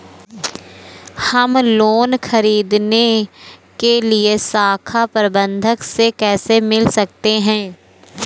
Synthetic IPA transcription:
hɐmloːnxʰəɾiːd̪nekeliesaːkʰapəɾbə̃nd̪ʱəksekɛːsemɪlsɐk̚t̪eɦɛ̃ː

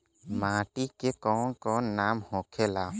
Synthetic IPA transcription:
maːʈikekɔːnkɔnnaːmhõːkʰelaː

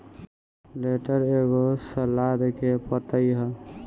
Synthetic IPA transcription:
leʈəɾeɡosəlad̪kepət̪əjɦə

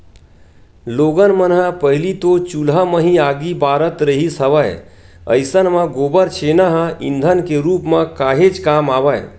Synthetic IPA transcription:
loːɡənmənɦapəɦlit̪ot͡ʃulɦaməɦĩaːɡibaːɾət̪ɾəɦisəʋəj | ə̰ɪsənmãɡoːbəɾt͡ʃʰeːnaɦãɪ̰̃nd̪ʱənkeɾuːpmãkaːɦed͡ʒkaːmaːʋəj

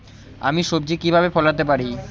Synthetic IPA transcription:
a̰miʃobd͡ʑikibʱabefɔlat̪epaɾi

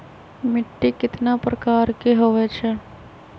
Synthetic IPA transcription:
mɪʈːikɪt̪napɾɐkaːɾkeɦoʋɛt͡ʃʰɛ

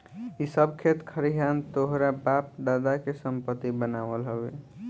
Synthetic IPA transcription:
isəbkʰet̪kʰəɾiɦant̪oɦɾabap̚d̪ad̪akesəmpət̪ːibənaʋəlɦəbe

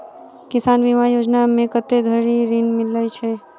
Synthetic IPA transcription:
kɪsanbimajod͡ʒnamẽkət̪ed̪ʱəɾiɾinmɪlət͡ʃʰɛ

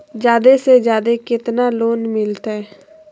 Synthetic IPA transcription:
d͡ʒjaːd̪esed͡ʒjaːd̪ekɪt̪naloːnmɪlt̪ɛː

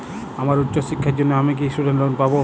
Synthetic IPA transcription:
amaɾutːɕoʃikʰːaɾd͡ʑonːeamik̬istuɖeɳʈlonpabo

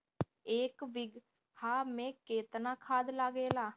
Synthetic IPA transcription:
eːkʋɪɡ | haːmɛ̃ːkeːt̪nãːkʰaːd̪laːɡeːlaː

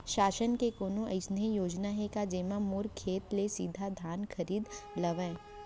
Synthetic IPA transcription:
ʃaːʃənkekoːnõʔɐ̰ɪsnijoːd͡ʒnaɦekad͡ʒeːmamoːɾkʰːeːt̪lesiːd̪ʱad̪ʱaːnkʰɐɾiːd̪lɐʋɛ̃ː

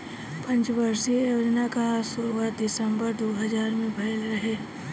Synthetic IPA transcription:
pɐ̃nt͡ʃbɐɾsejoːd͡ʒnakasʊɾuad̪ɪsə̃mbəɾd̪oːɦɐzaːɾmẽbʱɐjlɾɐɦeː

